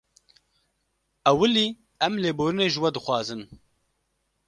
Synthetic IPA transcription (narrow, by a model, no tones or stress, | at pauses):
ɛwɨliː | ɛmleːboːɾɨneːʒɨwɛd̪ɨxwɑːzɨn